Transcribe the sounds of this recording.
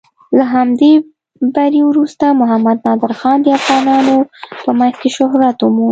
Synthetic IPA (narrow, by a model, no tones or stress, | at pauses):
laɦamd̪e | baɾewɾust̪amʊɦamad̪̚nɑd̪ɪɾxɑnd̪əafɣɑnɑnopəmanzkeʃʊɦɾat̪ʊmu